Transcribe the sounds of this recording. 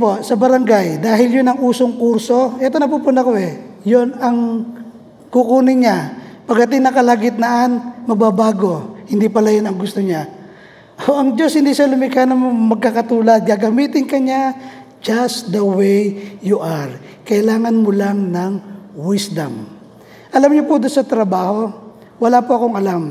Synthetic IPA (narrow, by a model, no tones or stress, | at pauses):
posɐbɐɾɐŋɡajd̪aːɦɪljʊnɐŋuːsoŋkuɾso̞ʔɛt̪onɐpupʊnɐkoʔɛjonɐŋ | kukuːnɪɲapɐɡɐt̪ɪŋnɐkɐlaɡɪt̪̚nɐʔanmɐɡ̚babaːɡo̞hɪnd̪ipɐlajonɐŋɡʊst̪oɲa | ʔoʔɐŋd͡ʒo̞shɪnd̪iʃalʊmɪkanɐŋmomɐɡ̚kakɐt̪uːlɐd̪̚ɡaɡɐmiːt̪ɪŋkɐɲa | d͡ʒasd̪ɐwejjuʔaɾkɐʔɪlaːŋɐnmʊlaŋnɐŋwɪsd̪ɐ̰m | ʔɐlamɲopʊd̪onsɐt̪ɾɐbaːho̞ | wɐlapoʔɐko̞ŋɐlam